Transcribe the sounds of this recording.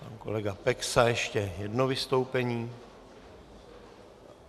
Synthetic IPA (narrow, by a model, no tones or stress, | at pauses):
pa̰nko̞̰lɛɡapɛksajɛʃcɛjɛdno̞vɪst̪o̞wpɛɲiː